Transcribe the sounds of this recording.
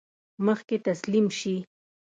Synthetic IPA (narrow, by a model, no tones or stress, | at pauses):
məχket̪aslɪmʃi